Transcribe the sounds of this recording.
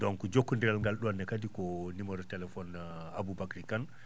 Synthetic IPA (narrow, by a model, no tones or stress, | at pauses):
dɔnkɔd͡ʒokːundɛɾalŋɡalɗɔanːɛkadikɔnimɔɾɛtɛlɛfɔn | abubakɾikan